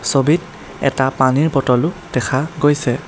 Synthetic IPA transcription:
sobit̚ | ɛ̰tapaniɹpɔtɔlʊd̥ɛkʰaɡojsɛ

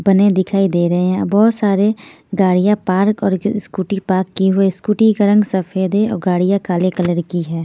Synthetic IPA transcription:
bɐned̪ɪkʰaːid̪eːɾɐɦeɦɛ̃bɔːt̪saːɾe | ɡaːɽijapaːɾkɔːɾskuːʈipaːɾkːiɦʊeskuːʈiɡəɾə̃ŋɡsəpʰeːd̪eɔ̰ːɾɡaːɽijakaːlekɐləɾkiɦɛ̃ː

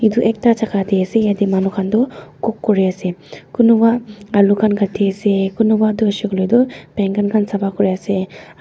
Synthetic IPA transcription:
iduʔek̚tat͡ʃakʰat̪iasejad̪imanɔkʰand̪ɔkɔkːɔɾiasekunubaɐlukʰanɡatʰːiasekunubad̪usiɡlɔjd̪ɔpɛŋɡanɡʰansabakɔɾijase

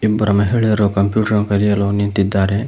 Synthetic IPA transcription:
ibːɐɾʔɐmeɦeɭeɾokɐmpjuːʈɐɾokɐɾijɐlonint̪id̪aːɾe

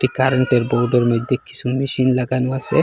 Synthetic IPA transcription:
ʈikaɾeɳʈeɾbowɖɔɾmɔjd̪ːekːi̥sʰumiʃinlaɡanuasḛ

